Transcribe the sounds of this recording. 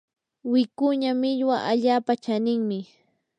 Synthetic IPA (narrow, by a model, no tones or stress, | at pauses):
wɪkʊɲamɪʎwaʔaʎaːpat͡ʃanɪŋmɪ